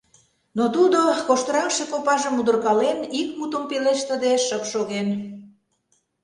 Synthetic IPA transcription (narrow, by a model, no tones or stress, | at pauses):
not̪ud̪okoʃt̪əɾɑkʃekopɑʒə̆mud̪ə̆rkɑlenik̚mut̪əmpileʃt̪əd̪eʃəpʃoɣen